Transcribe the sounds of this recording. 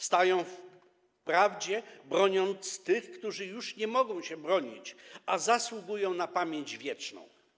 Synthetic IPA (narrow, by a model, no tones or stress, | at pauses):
st̪ajɔ̃w̃f | pɾavd͡ʑɛbɾɔɲɔnt̪st̪ɘxkt̪uʐɘjuʂɲɛmɔɡɔ̃w̃ɕɛbɾɔɲḭt͡ɕazaswuɡujɔ̃w̃napamʲjeɲd͡ʑvʲjɛt͡ʂnɔ̰̃w̃